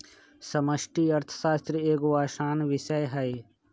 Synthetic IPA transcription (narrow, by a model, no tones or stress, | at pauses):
səməʃʈiːɐɾt̪ʰə̥saːst̪ɾieːɡoaːʃaːnʋɪʃəjɦɛj